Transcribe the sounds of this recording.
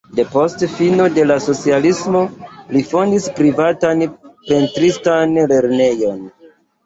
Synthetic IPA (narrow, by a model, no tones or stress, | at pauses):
de̞po̞stfino̞de̞laso̞t͡sialismo̞lifo̞ndispɾivatanpe̞ntɾistanle̞ɾne̞jo̞n